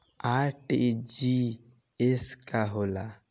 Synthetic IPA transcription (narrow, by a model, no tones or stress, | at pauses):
aʈed͡ʒi | eskaɦola